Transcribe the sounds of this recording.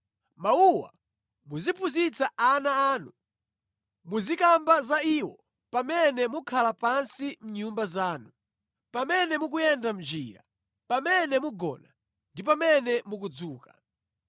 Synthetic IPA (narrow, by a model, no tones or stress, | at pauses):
mauwa̰ | muzipʰuzit͡saanaaːnu | muzikambazaiːwɔ | pamɛnɛmukʰalapansim̩ɲumbazaːnu | pamɛnɛmuk̬ujɛndam̩d͡ʒḭːɾa̰ | pamɛnɛmuɡɔ̰na | ndip̬amɛnɛmuk̬ud͡zuːka